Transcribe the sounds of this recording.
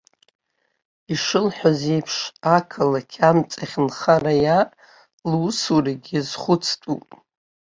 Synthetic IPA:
iʂɨlħʷᶣaze̞jpʰʂakʰalakʲʰamt͡sʼaχʲnχaraja | lwsuraɡʲizχʷʊt͡sʰtʼṵpʼ

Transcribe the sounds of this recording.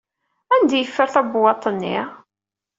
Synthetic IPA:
ænd̪æjəfːəɾθæbwɑt̪ˤːənːḭ

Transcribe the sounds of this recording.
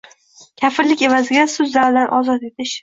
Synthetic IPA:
kʲʰafɪɾlɪkʲe̞vazɪɡʲasʊzːaɾd̪anʔɒzɒt̪e̞t̪ʰɪʃ

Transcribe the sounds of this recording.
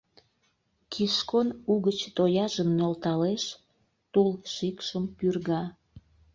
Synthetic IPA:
kʰiʃkonuɣət͡ɕt̪ojɑʒəmnolt̪ɑleʃ | t̪ulʃikʃəmpyrɣɑ

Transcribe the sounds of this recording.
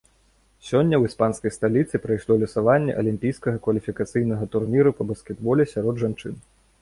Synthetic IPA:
sʲɔnʲːɐwispanskɐjst̪alʲit̪sɨpɾɐjʂlˠɔlʲɐsavanʲːɛ̰ʔɐlʲimʲpʲijskɐɣɐkvɐlʲifʲikat̪sɨjnɐɣɐt̪urnʲiɾupɐbɐskʲɛd̪bɔlʲɛsʲaɾɔd̪ʐant͡ʂɨn

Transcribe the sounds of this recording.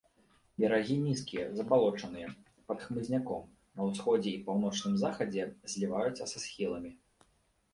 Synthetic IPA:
bʲɛɾaɣʲinʲiskʲijɐzɐbalˠɔt͡ʂɐnɨjɛ | pɐt̪xmɨzʲnʲakɔ̰m | nɐwsxɔd͡zʲɛipawnɔt͡ʂnɨmzaxɐd͡zʲɛzʲlʲivajut̪sɐsasxʲilˠɐmʲi

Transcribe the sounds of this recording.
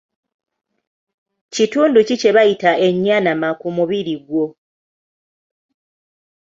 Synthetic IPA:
cituːnducice̞βajitae̞ɲːaːnamakumuβiɾiɡwo̞

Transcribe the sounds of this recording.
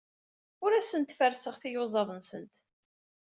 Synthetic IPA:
ʊɾæsənt̪fəɾsəʁθijʊzˤɑðˤənsənt̪

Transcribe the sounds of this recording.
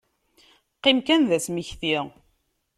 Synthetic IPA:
qːimkænðæsmiçθi

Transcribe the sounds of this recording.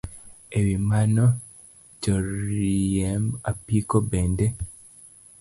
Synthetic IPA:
eβimano | coɾiemapikobeːnde

